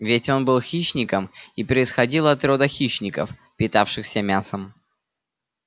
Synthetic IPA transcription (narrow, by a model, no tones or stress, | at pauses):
vʲɪtʲo̞nbɨlˠxʲiɕnʲɪkəmipɾəɪsxɐdʲilˠɐt̪ɾod̪əxʲiɕnʲɪkə̰f | pʲɪt̪afʂɨxsʲəmʲasəm